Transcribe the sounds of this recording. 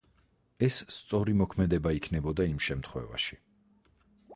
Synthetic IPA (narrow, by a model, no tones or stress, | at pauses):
ɛsːt̪sʼɔɾimɔkʰmɛd̪ɛbaikʰnɛbɔd̪aimʃɛmt̪ʰχwɛ̰va̰ʃi̥